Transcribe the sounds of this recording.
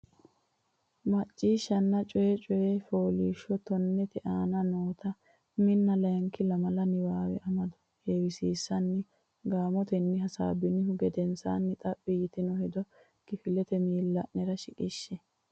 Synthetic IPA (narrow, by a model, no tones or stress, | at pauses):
mɐt͡ʃʼːiːʃːɐnːɐt͡ʃʼɔjɛt͡ʃʼɔjeːfoːlḭːʃːɔt̪ɔnːɛt̪ɛʔaːnɐno̞ːt̪ɐ | mɪnːɐlɐjɐŋkːɪlɐmɐlɐnɪwaːwɛ̰ʔɐmɐd̪ʊ̥ | heːwɪsiːsːɐnːɪ | ɡaːmɔt̪ɛnːɪɦɐsa̰ːbɪnɪhʊɡɛd̪ɛnsa̰ːnːɪt̪ʼɐpʼːɪjɪt̪ɪnɔhɛd̪ɔ | kɪfɪlɛt̪ɛmiːlːɐʔnɛɾɐʃɪkʼɪʃːɛ